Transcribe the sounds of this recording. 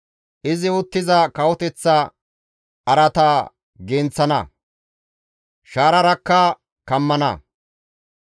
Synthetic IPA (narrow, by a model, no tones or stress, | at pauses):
ʔɪzɪʊt̪ːɪzɐkɐwɔt̪ɛt͡sːɐ | ɐɾɐt̪a | ɡeːnt͡sːɐnɐ̰ | ʃaːɾɐɾɐkːɐ | kɐmːɐnɐ̰